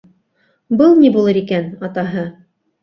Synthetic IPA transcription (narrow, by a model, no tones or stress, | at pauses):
bɤlˠnibulˠɤɾikænɑt̪ɑɦɤ